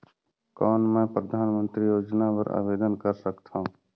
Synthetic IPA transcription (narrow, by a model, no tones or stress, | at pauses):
kɔːnmɛ̃ːpɾəd̪ʱaːnmə̃nt̪ɾijoːd͡ʒnapəɾa̰ːʋeːd̪ənkəɾsəkt̪ʰã